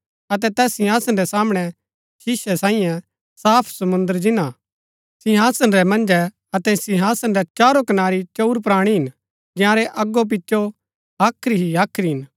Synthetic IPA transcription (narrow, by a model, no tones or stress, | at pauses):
ɐt̪ɛt̪ɛːsɪ̃ɦaːsənɾɛsaːmɽ̃ɛ | ʃɪʃɛsãːijã | saːpʰsɐmʊ̃nd̪əɾd͡ʒɪna | sɪɦaːsənɾɛmɐ̃nd͡ʒɛ | ɐt̪ɛsɪɦaːsənɾɛt͡ʃaːɾokɐnaːɾit͡ʃouɾpɾaːɽ̃iɦɪn | d͡ʒɪ̃ãɾɛʔɐɡːop̬ɪtːʃo | aːkʰɾiɦiaːkʰɾiɦɪn